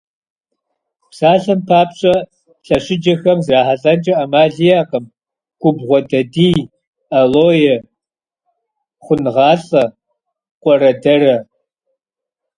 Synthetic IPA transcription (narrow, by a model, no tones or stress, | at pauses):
psaːɬɐmpʰaːpɕʼɐ | ɬɐɕɪd͡ʒɐxɐmzraːħaɬʼɐnt͡ʃʼɐʔɐmaːɮijaːqəm | ɡ̥ʷʊbʁʷɔdɐdiː | ɐloːjɛ | χʷʊnʁɑːɬʼɐ | qʷʼɔɾɐdɐrɐ